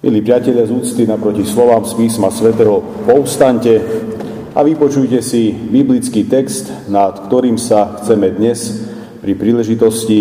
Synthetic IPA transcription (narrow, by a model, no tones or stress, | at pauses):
mḭliːpɾɪacɛʎɪazuːt͡st̪inapɾɔcislɔʋaːmspiːsmasʋɛt̪ɛɦɔ | pɔʊst̪aɲcɛ | aʋipɔt͡ʃujcɛsibiblit͡skiːt̪ɛkst̪nat̪kt̪ɔɾiːmsaxt͡sɛmɛd̪ɲɛs | pɾipɾiːlɛʒit̪ɔsci